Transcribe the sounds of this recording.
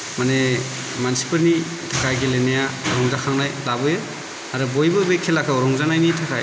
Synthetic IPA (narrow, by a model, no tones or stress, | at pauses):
mane | mansi̥pɯɾni | tʰakajɡelenajaɔɾɔŋzakʰaŋnajlabɯjɯ | aɾɯbojbɯbekʰelakʰaɔɾɔŋzanajnitʰakaj